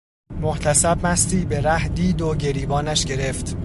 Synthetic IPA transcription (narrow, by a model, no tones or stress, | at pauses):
moht̪ʰæsæbmæst̪iːbeɾæhd̪iːd̪oɟe̞ɾiːbɒːnæʃɟe̞ɾeft̪